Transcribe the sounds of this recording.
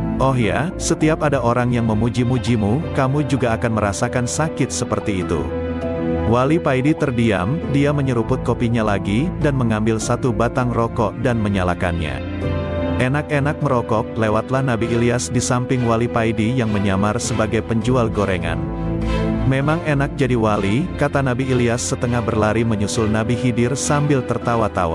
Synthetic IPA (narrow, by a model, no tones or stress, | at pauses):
ʔɔɦja̰sət̪iap̚adaʔoɾaŋjaŋməmud͡ʒimud͡ʒimukamud͡ʒuɡaːkanməɾasakansakɪt̪̚səpərt̪iːt̪ṵ | walipaidit̪ərdia̰mdiaməɲəɾupʊt̪̚kopiɲalaɡidanməŋambɪlsat̪ubat̪aŋrɔkɔʔdanməɲalaka̰nɲa̰ | ʔenakenak̚məɾɔkɔk̚lewat̪lahnabiːliasdisampɪŋwalipaidijaŋməɲamarsəbaɡajpəɲd͡ʒualɡoɾeŋa̰n | memaŋenak̚d͡ʒadiwalikat̪anabiːliasːət̪əŋahbərlaɾiməɲusʊlnabiɦidɪrsambɪlt̪ərt̪awat̪awa̰